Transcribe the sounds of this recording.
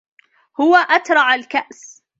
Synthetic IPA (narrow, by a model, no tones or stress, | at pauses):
hʊwaʔat̪ɾˤɑʕalkaʔs